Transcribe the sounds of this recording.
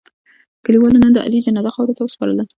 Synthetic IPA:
kəliwɑlonənd̪əʔa̰lid͡ʒanɑzaxɑwɾot̪awəspɑɾə̰la

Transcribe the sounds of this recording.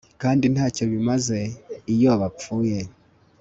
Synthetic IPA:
kaːndin̥haːcoβimaze̞ijoβafuːje

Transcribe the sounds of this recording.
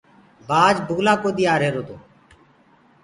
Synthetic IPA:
baːd͡ʒbʱuːlaːkoːɗ̪iːaːɾeːɾoːt̪oː

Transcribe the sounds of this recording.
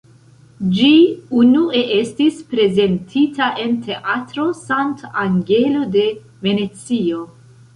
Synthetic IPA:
d͡ʒiunue̞ʔe̞stispɾe̞ze̞ntʰitaʔe̞ntʰe̞ʔatɾo̞santaŋɡe̞lo̞de̞ | ve̞ne̞t͡sio̞

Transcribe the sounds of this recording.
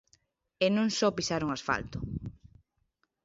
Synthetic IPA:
enũŋsɔpisaɾuŋasfa̰lt̪ʊ̥

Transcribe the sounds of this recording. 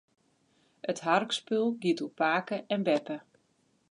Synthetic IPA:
ətɦarkspølˠɡitupaːkəʔɛnbɛpə

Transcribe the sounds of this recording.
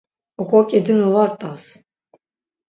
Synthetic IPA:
ɔkʼɔkʲʼɛd̪ɯnɔvaɾt̪ʼas

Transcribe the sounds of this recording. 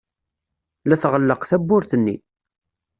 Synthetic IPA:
læθʁəlːəqθæbːʊɾθənːḭ

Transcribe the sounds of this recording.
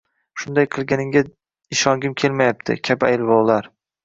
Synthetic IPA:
ʃʊnd̪ajqʰɨlˠɡʲanɪŋɡʲa | ɪʃɒŋɡʲɪmkʲʰe̞lmajap̚t̪ʰɪ̰kʲʰabajlˠvɒwlˠaɾ

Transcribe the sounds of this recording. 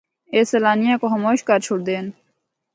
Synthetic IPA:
eːsɐlaːnijãːkoɦəmoːʃkaɾt͡ʃʰʊɽd̪eːn

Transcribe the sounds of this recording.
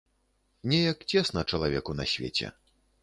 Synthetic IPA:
nʲɛjɐkt͡sʲɛsnɐt͡ʂɐlˠavʲɛkunɐsʲvʲḛt͡sʲɛ̰

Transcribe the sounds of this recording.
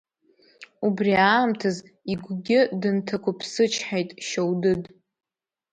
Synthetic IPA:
ubriaːmtʰaz | iɡʷɡʲɪdɨntʰakʷʊpʰsɨt͡ʃʰħajtʼʃowdɨdʼ

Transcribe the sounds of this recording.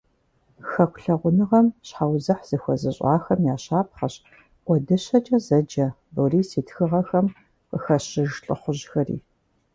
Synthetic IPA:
xɐkʷʰʼɬɐʁʷʊnɨʁɐmɕħaːwzɐħz̥ɨxʷɔzɨɕʼa̰ːxɐmjaːɕaːp̚χɐɕ | ʔʷɔdɨɕɐd͡ʒʼɐzɐd͡ʒɐ | boriːsiːtʰxɨʁɐxɐm | qəxɐɕɪʒɬʼɨ̰χʷʊʑxɐrḭː

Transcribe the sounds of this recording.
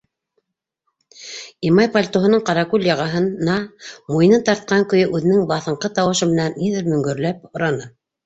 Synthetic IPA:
imɑjpolʲt̪oɦɤ̆nɤɴqɑɾɑkulʲjɑʁɑɦɤ̆nnɑmujnɤnt̪ɑɾt̪̚qɑŋkɵ̆jɵʔʉðɘ̆nɘŋbɑθɤ̆ɴqɤt̪ɑwɤ̆ʃɤmɘ̆nænːiðɘɾmɵ̆ŋɡɵ̆ɾlæp̚ŏɾɑnɤ

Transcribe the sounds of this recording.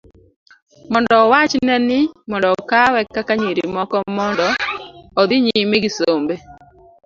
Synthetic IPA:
mɔndɔwat͡ʃnɛnɪmɔndɔkawɛkːakaɲiɾimɔkɔmɔndɔɔd̪ɪɲimeɡisombe

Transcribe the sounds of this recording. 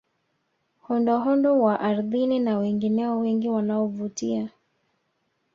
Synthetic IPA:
hɔndɔɦɔndɔwaʔaɾðininawɛŋɡinɛɔwɛŋɡiwanaɔvutia

